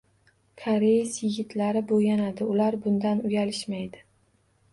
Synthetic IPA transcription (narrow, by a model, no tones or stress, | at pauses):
kʰaɾejɪsjɪɡʲɪt̪ʰlaɾɪbojanad̪ɪʊlaɾbʊnd̪anʊjalɪʃmajd̪ɪ